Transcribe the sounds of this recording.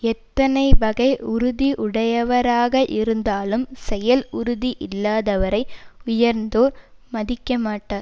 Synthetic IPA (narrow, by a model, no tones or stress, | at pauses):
ɛt̪ːɐnɐɪbɐɣɐɪʊɾʊðiʔʊɽɐjɐʋɐɾaːɣɐʔɪɾɯnd̪aːlɯmsɛjɐlʊɾʊðiʔɪlːaːðɐʋɐɾɐɪʊjɐɾnd̪oːɾmɐðɪkːɐmaːʈːaːɾ